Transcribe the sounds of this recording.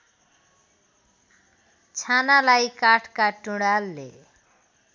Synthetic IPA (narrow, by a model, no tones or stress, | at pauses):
t͡sʰanalajkaʈʰkaʈuɽalːḛ